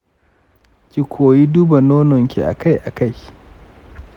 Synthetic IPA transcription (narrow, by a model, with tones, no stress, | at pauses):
kʲi˨kʷʰoː˨ji˦duː˦ba˨noː˦nɔ˨ŋkʲḭ˨ʔa̰˨ka˦jʔa̰˨ka˦˨j